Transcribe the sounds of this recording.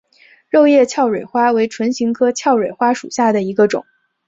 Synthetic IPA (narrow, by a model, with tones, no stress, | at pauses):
ɻo˥˧ʊjɛ˥˧t͡ɕʰjɑ˥˩ʊɻwe˨˩ɪxwa˥we˧˥ɪʈ͡ʂʰwə˧˥nɕi˧˥ŋkʰɤ˥t͡ɕʰjɑ˥˩ʊɻwe˨˩ɪxwa˥ʂu˨˩ɕja˥˩d̪ə˩i˧˥ɡə˧ʈ͡ʂʊ̰˨˩˦ŋ